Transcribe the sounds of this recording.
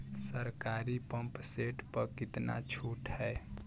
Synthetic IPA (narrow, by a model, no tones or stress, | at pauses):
səɾkaɾipəmpseʈpəɾkit̪na̰t͡ʃʰuʈɦəe